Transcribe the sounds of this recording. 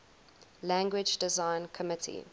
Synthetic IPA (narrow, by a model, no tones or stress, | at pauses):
læ̃ŋɡwɪd͡ʒdɪzãɪ̃nkʰəmɪtʰḭ